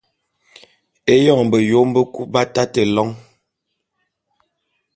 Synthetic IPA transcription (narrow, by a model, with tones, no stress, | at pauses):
e˦jɔ˦˨ŋm˨bə˨jo˨˦m˦bə˦ku˦ba˦ta˦tə˨lɔ˦ŋ